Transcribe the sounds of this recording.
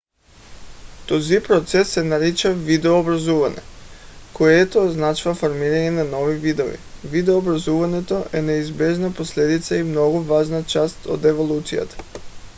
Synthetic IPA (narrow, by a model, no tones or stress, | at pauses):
t̪ozipɾot̪sɛsːɛnaɾit͡ʃavid̪ɛoːbɾazuvaɲɛ̰koɛt̪oznat͡ʃuvafoɾmiɾaɲɛnanovivid̪ovḭvid̪ɛoːbɾazuvaɲɛt̪oʔɛnɛizbɛʒnaposlɛd̪it̪saimnoɡuvaʒnat͡ʃast̪o̰d̪ɛvolˠut̪sija̰t̪ḁ